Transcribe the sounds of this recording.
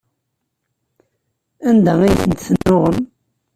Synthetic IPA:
ænd̪ææjθənt̪θənːʊʁəm

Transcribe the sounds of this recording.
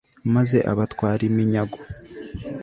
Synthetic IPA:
maze̞ʔa̰βatwaːɾimiɲaɡo

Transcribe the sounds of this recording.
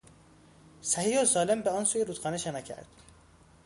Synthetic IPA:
sæhijozɒːlembeɒːnsuːjeɾuːt̪xɒːneʃenæcʰæ̰ɾd̪̥

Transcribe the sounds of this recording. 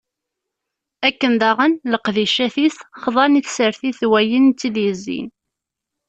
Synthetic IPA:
ækːənd̪ɑʁənləqðiʃæθiθχðˤɑniθsəɾθiθwæjənt͡s̪ːiðjəzːḭn

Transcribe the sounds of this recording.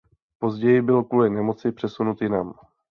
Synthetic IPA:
po̞zɟɛjɪbɪlkuːlɪnɛmot͡sɪpr̝̥ɛsunut̪jɪnam

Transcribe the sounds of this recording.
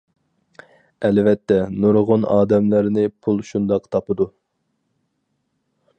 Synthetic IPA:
ɛlvɛt̪ʰːɛnuɾʁʊnɑːd̪ɛmlæɾnɪpʰulˠʃund̪ɑqt̪ʰɑpɨd̪u

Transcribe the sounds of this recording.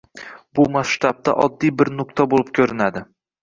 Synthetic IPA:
bʊmasʃt̪ab̚t̪a̰ʔɒd̪ːijbɪɾnʊk̚t̪ʰabolˠɪp̚kʲʰɵɾɪnad̪ɪ

